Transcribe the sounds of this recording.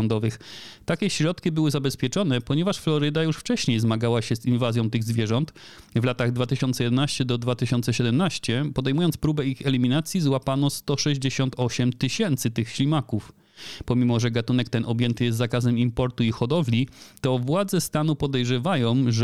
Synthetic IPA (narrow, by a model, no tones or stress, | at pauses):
ɔnd̪ɔvɘxt̪akʲɛɕɾɔt̪kʲibɘwɘzabɛspʲjɛt͡ʂɔnɛpɔɲɛvaʂflɔɾɘd̪ajuʂft͡ʂɛɕɲejzmaɡawaɕɛzinvazʲjɔ̃w̃t̪ɘɣzvʲjɛʐɔnt̪ | vlat̪aɣd̪vat̪ɘɕɔnt̪sɛjɛd̪ɛnaɕt͡ɕɛd̪ɔd̪vat̪ɘɕɔnt̪sɛɕɛd̪ɛmnaɕt͡ɕɛpɔd̪ɛjmujɔnt̪spɾubɛixɛlʲimʲinat̪sʲjizwapanɔst̪ɔʂɛʑd͡ʑeɕɔnt̪ɔɕɛmt̪ɘɕɛnt̪sɘt̪ɘxɕlʲimakuf | pɔmʲimɔʐɛɡat̪unɛk̚t̪ɛnʔɔbʲjɛnt̪ɘjɛst̪zakazɛmimpɔɾt̪uixɔd̪ɔvlʲit̪ɔvwad̪zɛst̪anupɔd̪ɛjʐɛvajɔ̃w̃ʐ